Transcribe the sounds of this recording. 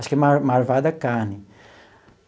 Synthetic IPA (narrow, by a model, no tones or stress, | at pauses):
ʃkɛmamaɾvad̪ɐkaɾnɪ